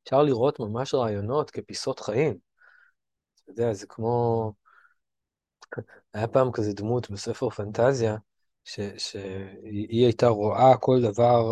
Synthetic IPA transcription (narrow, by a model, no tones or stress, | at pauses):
efʃaʁliʁo̞tmamaʃʁaːjo̞no̞t̪ke̞piso̞t̪χaim | zod̪eazekmo̞ | ajapaːmkazed̪mutbese̞fe̞ʁfantazja | ʃe̞ʃe̞iiajtaʁoʔako̞ldavaʁ